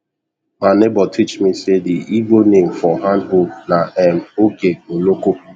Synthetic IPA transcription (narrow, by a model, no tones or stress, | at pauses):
manebɔtʰit͡ʃmisediivonem̩fɔɦãndɦob̚naʔɛm̩okeoloko